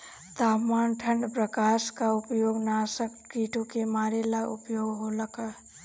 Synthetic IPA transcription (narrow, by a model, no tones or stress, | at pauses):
t̪aːpmaːnʈʰəɳɖpɾəkaːskaʊpjoːɡnaːsək | kiʈʰũkemaːɾelaṵpjoːɡɦoləkə